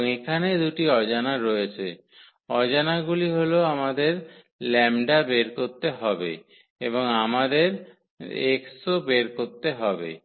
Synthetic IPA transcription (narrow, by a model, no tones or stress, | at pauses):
ekʰaned̪uʈiɔd͡ʑanaɾɔjet͡ɕʰe | ɔd͡ʑanaɡuliɦoloamad̪eɾ | lɛmɖabeɾkoɾt̪eɦɔbḛ | eboŋamad̪eɾ | ḛksobeɾkoɾt̪eɦɔbḛ